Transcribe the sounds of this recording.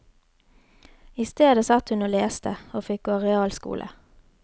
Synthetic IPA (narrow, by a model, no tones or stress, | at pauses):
ɪst̪eːd̪əsɑt̪hʉnoːleːst̪əoːfɪk̚ɡoːʁɛɑːlskṵːlʔə̰